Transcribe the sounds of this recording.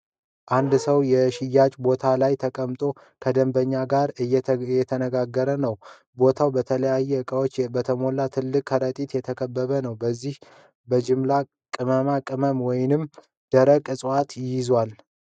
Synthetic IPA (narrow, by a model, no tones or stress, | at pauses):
ʔand̪səwjɛʃɪjːat͡ʃʼbo̞t̪ʰalajt̪ʰəkʼəmt̪ʼo̞ | kʰəd̪əmbəɲːaɡaɾjɛt̪ʰənəɡaɡːəɾənəw | bo̞t̪ʰawbət̪ʰələjajːɛɨkʼəwot͡ʃːbət̪ʰəmo̞lat̪ʰɨlːɨkʼhəɾət̪ʼit̪jɛt̪ʰəkʰəbːəβənəwbəzːih | bəd͡ʒɪmla | kʼɨməmakʼɨməmwɔjɪnɨm | d̪̥əɾəkʼɨsʼwat̪ɪjɪzwal